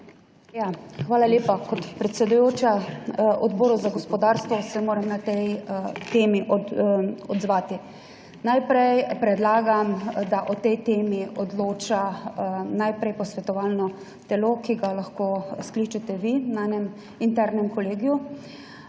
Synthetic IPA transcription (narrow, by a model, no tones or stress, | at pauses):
jaxʋaːlaleːpakɔt̪pɾɛt̪sɛd̪ujoːt͡ʃaʔɔd̪bɔːɾɔzaɡɔspɔd̪aːɾst̪ʋɔsɛmoːɾamnat̪ɛjt̪eːmiʔ | ɔd̪zʋaːt̪i | najpɾɛjpɾɛd̪laːɡamd̪aʔɔt̪ɛjt̪eːmiʔɔd̪loːt͡ʃa | najpɾɛjpɔsʋɛt̪ɔʋaːlnɔ | t̪ɛlokiɡalaxkoːsklit͡ʃat̪ɛʋinaanɛm | int̪ɛɾnɛmkɔleːɡju